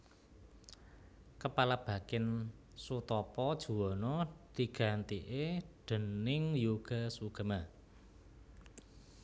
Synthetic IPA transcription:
kəpalab̥a̤kɪn | sut̪ɔpɔd̥ʒ̥ṳwɔnɔd̪̥i̤ɡ̥a̤nt̪iʔeɖ̪̥ə̤nɪŋjuɡ̥a̤suɡ̥ə̤ma

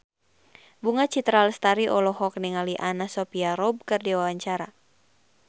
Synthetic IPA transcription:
buŋat͡ʃit̪ɾalst̪aɾiʔɔlɔhɔk̚niŋaliʔanasɔpiaɾɔb̚kɨrdiwawaɲt͡ʃaɾa

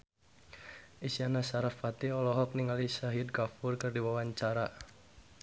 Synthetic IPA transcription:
ʔisianasaɾafat̪iɔlɔɦɔk̚niŋalisaɦɪd̚kafʊrkɨrdiwawaɲt͡ʃaɾa

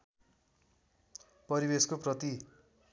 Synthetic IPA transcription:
pʌɾibeskoprʌt̪i

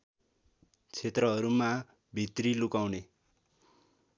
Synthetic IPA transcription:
t͡sʰet̪rʌɦʌɾuma | bʱit̪rilukawne

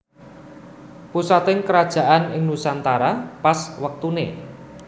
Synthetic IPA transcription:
pusat̪ɪŋkəɾad̥ʒ̥a̤ʔanɪŋnusant̪aɾapaswək̚t̪unḛ

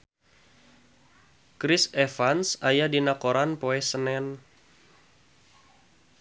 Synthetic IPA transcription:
kɾɪsɛfansajadinakoɾanpoɛsənɛn

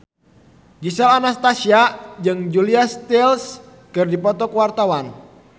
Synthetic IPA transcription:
d͡ʒisɛlanast̪asiad͡ʒɨŋd͡ʒuliast̪ils | kɨrdipɔt̪ɔkəwart̪awan

